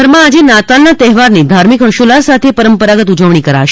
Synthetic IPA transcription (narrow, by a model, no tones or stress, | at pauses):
əɾmãːd͡ʒenat̪alːat̪ɛɦʋaɾnid̪ʱaɾmikɦəʃulaɾsat̪ʰepəɾəmpəɾaɡət̪ud͡ʒəʋɳ̃ikəɾa̰ʃ